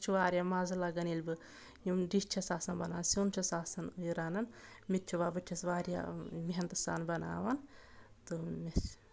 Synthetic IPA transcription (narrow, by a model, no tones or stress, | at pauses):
t͡ʃʰuʋaːɾʲjamaːzɐlɐɡɐnilʲbɨ | jimɖiʃt͡ʃʰɐsaːsɐnbɐnaːnsʲont͡ʃʰɐsaːsɐniɾaːnɐn | mit̪t͡ʃʰuʋaːbɨt͡ʃʲʰɐsʋaːɾja̰ːʋiɦɐnt̪ɐsa̰ːnbɐna̰ːʋɐn | t̪ɨmʲes